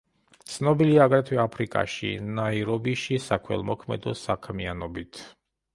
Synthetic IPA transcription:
t̪sʰnɔbiliaːɡɾɛt̪ʰwɛapʰɾikʼa̰ʃḭnaiɾɔbiʃisakʰwɛ̰lˠmɔkʰmɛ̰d̪ɔsakʰmianɔbit̪ʰ

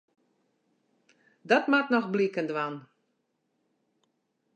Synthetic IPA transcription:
dɔtmatnɔxblikəndʋan

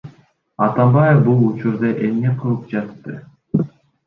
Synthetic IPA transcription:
ɑt̪ɑmbɑjefbulˠut͡ʃuɾd̪ɑʔe̞mne̞qʰɯlˠɯp̚d͡ʒɑt̪ːɯ

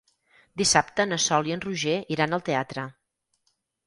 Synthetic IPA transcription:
d̪isapt̪ənəsɔlˠiənruʒeiɾanəlˠt̪eat̪ɾə

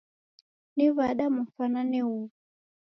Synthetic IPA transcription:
nivaɗamufananɛu

